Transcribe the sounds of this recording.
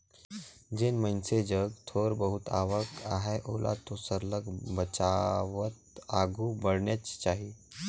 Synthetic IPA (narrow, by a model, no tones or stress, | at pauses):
d͡ʑeːnmənsed͡ʑəɡt̪ʰoɾbəɦut̪a̰ʋəkaɦɛʔolʔa̰t̪osəɾləɡbət͡ʃaʋət̪aɡubəɽɳjət͡ʃt͡ʃaɦi